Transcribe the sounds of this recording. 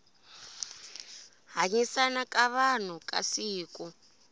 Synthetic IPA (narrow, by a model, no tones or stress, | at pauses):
ɦaɲisanakʼaβan̤ukʼasiːku